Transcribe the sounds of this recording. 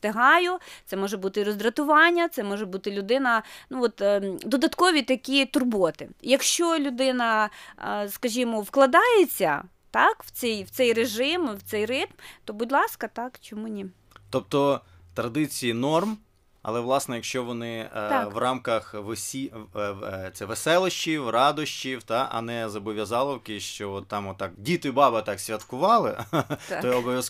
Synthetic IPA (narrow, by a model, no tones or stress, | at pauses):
t̪eɦɑjʊt̪sɛmɔʒɛbut̪ɪɾɔzd̪ɾɐt̪ʊʋɑnʲːɐt̪sɛmɔʒɛbut̪ɪlʲʊd̪ɪnɐnuɔt̪d̪ɔd̪ɐt̪kɔʋʲit̪ɐkʲit̪ʊrbɔt̪ɪ̰jɐkʃt͡ʃɔlʲʊd̪ɪnɐ | skɐʒʲimɔwklˠɐd̪ɑjet͡sʲːɐ̰ | t̪ɑkw̥t͡sʲɛjwt̪sɛjreʒɪmwt̪sɛjrɪt̪mt̪ɔbʊdʲlˠɑskɐt̪ɑkt͡ʃɔmunʲi | t̪ɔp̚t̪ɔ | t̪ɾɐd̪ɪt͡sʲijinɔrm | ɐ̰lˠɛʋlˠɑsnɛjɐkʃt͡ʃɔʋɔnɪʋrɑmkɐxʋɔsʲi | t̪sɛʋesɛlˠɔʃt͡ʃiwrɑd̪ɔʃt͡ʃiwt̪ɑʔɐ̰nɛzɐbɔʋʲjɐzɑlˠɔwkɪʃt͡ʃɔɔt̪ːɑmɔt̪ːɑkdʲit̪ɪbɑbɐt̪ɑksʲʋʲɐt̪kʊʋɑlˠɪt̪ɔɔbɔʋʲjɐs